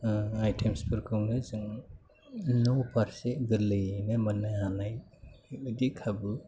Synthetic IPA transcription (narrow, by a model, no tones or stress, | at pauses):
ajtʰemspʰɯɾkʰɯŋnɯzɯŋ | nɔpʰaɾseɡɯɾlɯjnamanːahanajɯdikʰabɯ